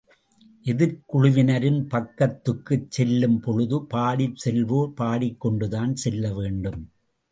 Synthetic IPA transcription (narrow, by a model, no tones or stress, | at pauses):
ʔɪðɪɾkʊɻʊʋɪnɐɾɪnpɐkːɐt̪ːɯkːɯt͡ʃːɛlːɯmpɔɻɯðɯpaːɽɪt͡ʃsɛlʋoːpaːɽɪkːɔɳɖɯðaːnsɛlːɐʋeːɳɖɯm